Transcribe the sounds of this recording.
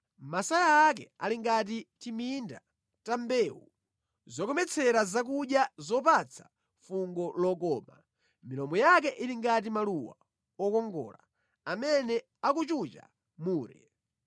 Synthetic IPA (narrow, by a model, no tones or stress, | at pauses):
masajaːk̬ɛ̰aliŋɡat̬itiminda | tambɛːwṵ | zɔkɔmɛt͡sʰɛɾazak̬uɗjazɔpat͡sʰḁ | fuŋɡɔlɔkɔːma | milɔmɔjak̬ɛʔiliŋɡatimaluwa̰ | ɔkɔŋɡɔ̰ːla̰ | amɛnɛ | akut͡ʃut͡ʃa̰ | muːɾɛ̰